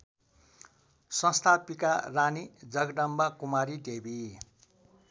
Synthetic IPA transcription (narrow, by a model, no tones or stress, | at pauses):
sʌ̃st̪ʰapikaranid͡zʌɡɖʌmbakumaɾiɖebi